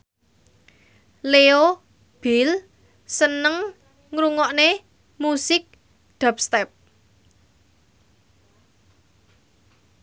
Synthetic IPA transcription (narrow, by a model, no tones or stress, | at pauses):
leo | b̥il | sənəŋ | ŋɾuŋɔʔne | musɪk̚ | d̪̥a̤p̚st̪ɛp̚